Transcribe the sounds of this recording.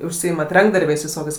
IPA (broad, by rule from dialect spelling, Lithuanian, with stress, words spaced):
ʊʃʲˈsʲiːɪmɐt ˈrɐŋɡdɐrʲbʲɛɪs ʋʲɪˈsoːkʲɛɪs